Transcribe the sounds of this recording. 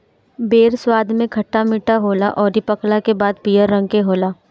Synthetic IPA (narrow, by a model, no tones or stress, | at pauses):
beːɾswaːd̪ʱmẽkʰɐʈːamiʈaɦoːlaʔɔːɾipəklakebaːd̪̚piːəɾːə̃ŋɡkeɦoːlaː